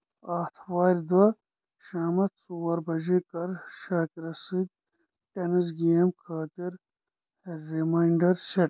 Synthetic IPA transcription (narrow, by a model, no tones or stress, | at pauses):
aːt̪ʰwaːɾʲd̪wɐ | ʃaːmɐt̪suwɐɾbɐʒikɐɾʃaːkiɾɐsid̪̚ | ʈenis̬ɡiɐmkʰaːt̪iɾː | imaːiɳɖɐɾseʈ̚